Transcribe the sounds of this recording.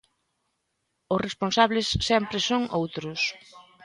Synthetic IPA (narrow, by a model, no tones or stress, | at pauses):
ʊsresponsaβlɪsːɛmpɾɪsoŋowt̪ɾʊs